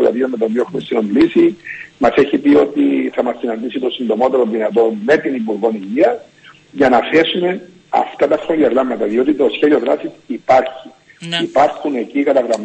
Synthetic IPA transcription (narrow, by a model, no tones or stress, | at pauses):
lɐ̰ðiomːet̪opioexumest̪inond̪lisimɐse̞çipio̞t̪iθɐmɐsːinɐnd̪isit̪o̞sind̪o̞mo̞t̪e̞ɾo̞nðinɐt̪o̞nme̞t̪inipuɾɣo̞niʝiɐs | ʝɐnɐθe̞sume̞ | ɐ̰ft̪ɐt̪ɐsoliɐɣɾamːɐt̪ɐðio̞t̪it̪osçe̞ðio̞ðɾasisipɐɾçi | ipɐɾxune̞cikɐt̪ɐɣɾɐm